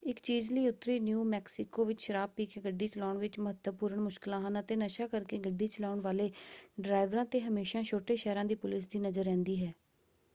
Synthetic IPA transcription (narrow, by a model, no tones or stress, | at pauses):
ɪkt͡ʃiːzliːʊt̪ːɾiːnjuːmɛːksɪkoːʋɪt͡ʃʃəɾaːb̚piːkeːɡəɖːiːt͡ʃəlaːɳʋɪt͡ʃməɦət̪əʋpʊːɾəɳmʊʃkɪlãːɦənət̪eːnəʃaːkəɾkeːɡəɖːiːt͡ʃəlaːɳʋaːleːɖɾaːɪʋɾãːt̪eːɦəmeːʃãːʃoːʈeːʃɛːɾãːd̪iːpʊlɪsd̪iːnəzəɾːɛ̃ːnd̪iːɦɛː